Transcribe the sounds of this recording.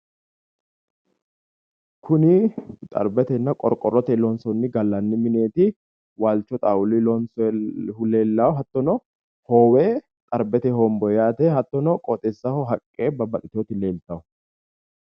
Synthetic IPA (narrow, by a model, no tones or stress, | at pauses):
kʰʊnɪt̪ʼɐ̰ɾbɛt̪ɛnːɐkʼɔ̰ɾkʼːɔrːɔt̪ɛlɔnsɔnːɪɡɐlːɐnːɪmɪne̞ːt̪ɪ | waːlt͡ʃːɔt̪ʼaːʊlɪlɔnshʊleːlːawɦɐt̪ːɔnɔ | hoːweː | t̪ʼɐɾbɛt̪ɛhɔmbɔjaːt̪ɛhɐt̪ːɔnɔkʼɔt̪ʼɛsːɐhɔɦɐkʼːeːbɐbɐɗɪt̪oːt̪ɪleːlt̪ɐʊ